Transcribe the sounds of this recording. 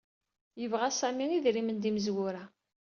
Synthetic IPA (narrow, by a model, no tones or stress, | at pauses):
jəvʁæsæmiŋiðɾimənd̪iməzwʊɾæ